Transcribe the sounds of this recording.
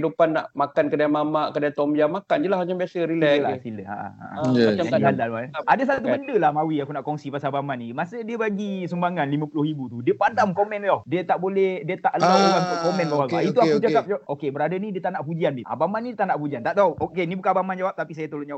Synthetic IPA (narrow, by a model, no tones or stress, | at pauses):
idupanːa̰ʔmakankədajamamaʔkədajat̪ɔmbijamakand͡ʒəlahmat͡ʃambiasəɾilɛla̰siləa̰ʔa̰ʔaaaialdalbaadas̬at̪̬ubəndəlahmawiakunaʔkɔŋsipasabamanimasədiəbaɡisəmbaŋanlimə̃pulʊhibut̪udiəpadamkɔmɛnɔhdiət̪aʔbolɛhdiət̪aʔlauɡast̪kɔmɛnbawaɡaiuakud͡ʒakap̚d͡ʒawaʔokebəɾadənidiət̪anaʔpud͡ʒianbiʔa̰bamanːidiət̪anaʔpud͡ʒiant̪aʔt̪aoʔokenibukanabamand͡ʒawap̚t̪apis̬ajat̪olond͡ʒawa